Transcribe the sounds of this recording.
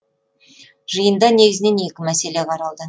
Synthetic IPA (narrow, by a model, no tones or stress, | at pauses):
ʒəjənd̪ɑne̞ɡʲɪzɪne̞ne̞kʲɪmæse̞le̞qʰɑɾɑlˠd̪ə